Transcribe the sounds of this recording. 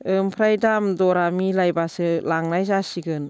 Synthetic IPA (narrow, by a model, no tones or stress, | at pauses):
ɯmpʰɾajdamdɔɾamilajbasɯlaŋnajzasiɡɯn